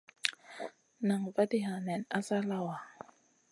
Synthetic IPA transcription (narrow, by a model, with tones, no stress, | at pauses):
na˨ŋva˦di˦ɦa˨nɛ˨na˦sa˦la˦wa˨